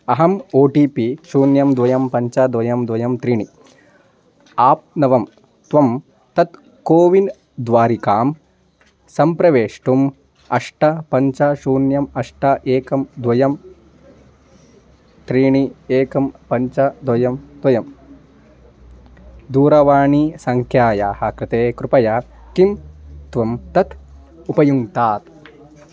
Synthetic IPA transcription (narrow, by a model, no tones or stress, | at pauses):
ɐɦɐmoːʈiːpiʃuːnjɐmd̪ʋɐjɐmpɐɲt͡ʃɐd̪ʋɐjɐmd̪ʋɐjɐmt̪ɾiːɳi | aːp̚nɐʋɐm | t̪ʋɐm | t̪ɐt̪ | koːʋin | d̪ʋaːɾikaːm | sɐmpɾɐʋeːʂʈum | ɐ̰ʂʈɐpɐɲt͡ʃɐʃuːnjɐmɐʂʈɐʔeːkɐmd̪ʋɐjɐm | t̪ɾiːɳieːkɐmpɐɲt͡ʃɐd̪wɐjɐmd̪ʋɐjɐm | d̪uːɾɐʋaːɳisɐŋkʰjaːjaːhɐkɾɪt̪eːkɾupɐjɐkimt̪ʋɐmt̪ɐt̪ | upɐjuŋt̪aːt̪